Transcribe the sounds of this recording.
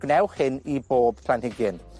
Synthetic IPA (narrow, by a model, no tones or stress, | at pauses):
ɡ̥nɛwχhɪniboːb̥pʰl̥anhɪɡɪn